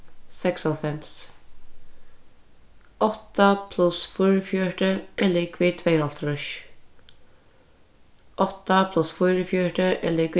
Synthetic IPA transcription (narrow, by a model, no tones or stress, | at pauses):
sɛksɔfɛms | ɔht̪apʰlʊsfʊjɾəfjœɹʈəɛlɪkvɪt̪ʰvɛːalt̪ɾʊʃ | ʔɔht̪apʰlʊsfʊjɾəfjɔhʈəʔɛliːk